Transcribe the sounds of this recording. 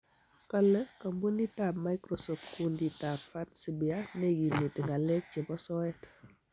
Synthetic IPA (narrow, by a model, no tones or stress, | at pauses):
kalːəkɐmbunitamajkɾosɔfkunditafansibianeɡinːitiŋɡalɛt͡ʃibɔsɔɛt